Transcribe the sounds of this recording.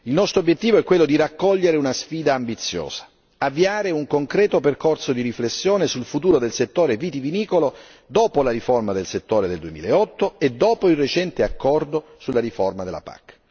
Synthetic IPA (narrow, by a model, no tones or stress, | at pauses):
ilnɔst̪ɾobjet̪ːiːvoɛkːwelːod̪iɾakːɔʎːeɾeunasfiːd̪aːmbit̪sːjo̰ːzḁ | avːiaːɾeuŋkoŋkɾɛːt̪operkorsod̪iɾiflesːjoːnesulfut̪uːɾod̪elset̪ːoːɾeviːt̪iviniːkolo | d̪oːpolaɾiformad̪elset̪ːoːɾed̪eld̪uemiːla̰eɔt̪ːoed̪ːɔːpoilret͡ʃɛnt̪eakːɔrd̪osulːaɾiformad̪elːa̰pa̰kː